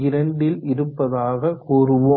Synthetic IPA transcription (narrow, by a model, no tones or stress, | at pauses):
ɪɾɐɳɖɪlɪɾɯpːɐðaːɣɐkuːrɯʋoː